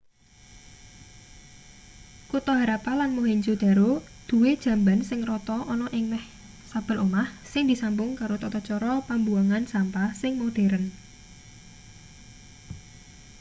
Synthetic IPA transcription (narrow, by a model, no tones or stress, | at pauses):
kut̪ɔɦaɾapalanmoɦeɲd͡ʒud̪̥a̤ɾod̪̥ṳwed̥ʒ̥a̤mbansɪŋrɔt̪ɔʔɔnɔʔɪŋmɛh | sab̥ə̤lomahsɪŋd̪isampʊŋkaɾot̪ɔt̪ɔt͡ʃɔɾɔpambuaŋansampasɪŋmod̪̥e̤ɾən